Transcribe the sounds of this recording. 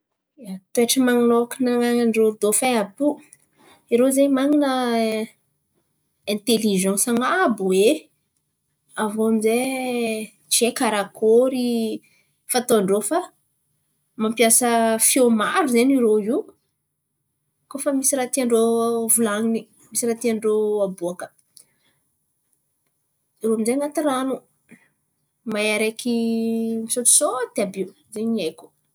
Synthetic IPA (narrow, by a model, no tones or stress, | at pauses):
at̪ueʈ͡ʂəmaŋalokinaŋaŋaɳɖ͡ʐoɾid̪ofaapu | iɾozemaŋinə | ɛ̃nt̪eliʒãsaŋabuwe | avomize | t͡ʃekaɾakʰoɾi | fat̪oaɳɖ͡ʐofa | mampjasəfiomaɾuzeɲiɾoi | kofəmisiɾat̪iaɳɖ͡ʐovulaŋini | misiɾat̪iaɳɖ͡ʐoabuakə̥ | iɾoamizeŋat̪iɾanu | majaɾekimisot̪u̥sod̪̥eabi | zeɲiajku̥